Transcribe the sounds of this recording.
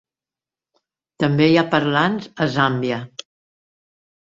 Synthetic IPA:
t̪əmbejapəɾlanzəzambiə

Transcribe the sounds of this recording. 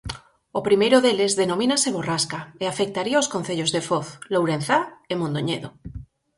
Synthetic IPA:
opɾimejɾoðelezðenomĩnaseβoraskaeafek̚t̪aɾiaoskon̟θeʎozðefoθlowɾen̟θaemõnd̪oɲḛðo

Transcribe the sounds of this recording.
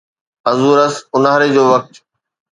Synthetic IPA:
ɐzuːɾəsʊnaːɾed͡ʑoːʋɐk̚t̪

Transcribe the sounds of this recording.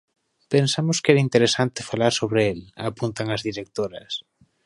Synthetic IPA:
pensamʊskɛɾaint̪eɾesant̪ɪfalaɾsoβɾeelapunt̪aŋɐzðiɾek̚t̪oɾɐs

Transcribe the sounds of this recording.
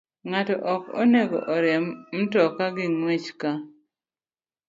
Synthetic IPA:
ŋatɔʔɔko̰neɡɔ̰ʔɔɾɛmm̩tɔkaɡɪŋwet͡ʃka

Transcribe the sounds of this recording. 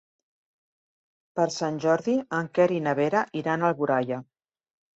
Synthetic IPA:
pəɾsanʲʒɔɾðiəŋkɛɾinəβeɾəʔiɾanəlˠβuɾajə

